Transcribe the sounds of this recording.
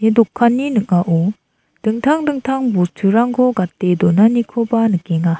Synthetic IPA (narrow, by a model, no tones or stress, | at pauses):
edokʰːanːinɯk̚ŋaʔo | d̥ɯŋt̪ʰaŋdɯŋt̪ʰaŋbostʰɯɾaŋɡʰoɡat̪ːed̪onanikʰobanɯk̚ːeŋa